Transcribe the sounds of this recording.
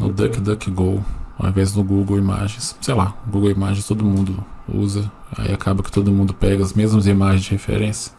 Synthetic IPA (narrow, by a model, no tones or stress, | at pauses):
nʊ̰d̪ɐkd̪ɐkɪɡowa̰ĩvɛzɪzd̪ʊɡuɡowima̰ʒẽj̃ssejlaɡuɡewimaʒẽst̪od̪ʊmũnd̪ʊṵzɐa̰ḭakʰabɐkɪ̥t̪od̪ʊmũnd̪ʊpɛɡɐɐzmezmʊzimaʒẽzd͡ʒɪhefḛɾẽsjɐ̥